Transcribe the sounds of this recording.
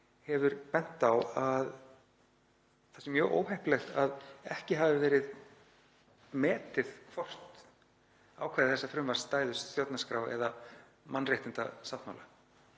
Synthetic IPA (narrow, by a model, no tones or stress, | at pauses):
hɛvʏɾpɛn̥t̪awað | θḁsɛmjœːɣʔo̰ːwhɛjhplɛxt̪a̰ðɛhcɪɦaːvɪvɛːɾɪð | mɛːt̪ɪð̥kʰvɔr̥t̪ | aːwkʰvaːðɪθɛsːafɾʏmvar̥st̪aːjðʏst̪jowt̪naskɾaːwɛ̰ða | manːrjɛht̪ɪnt̪a̰saht̪mawla̰